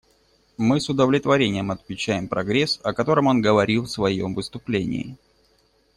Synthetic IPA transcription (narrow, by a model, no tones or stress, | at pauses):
mɨsʊd̪əvlʲɪt̪vɐɾʲenʲɪjəmɐt̪mʲɪt͡ɕːæjɪmpɾɐɡɾʲe̞sɐkɐt̪o̞ɾəmo̞nɡəvɐɾʲilˠfsvɐjo̞̰mvɨst̪ʊplʲenʲɪ̰ɪ